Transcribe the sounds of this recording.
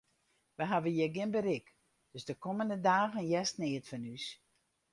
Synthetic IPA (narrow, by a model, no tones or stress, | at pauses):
ʋəɦavəjɛɡɪnbəɾɪk | d̥øsdəkoməndədaːɣənjɛstnɪətfanys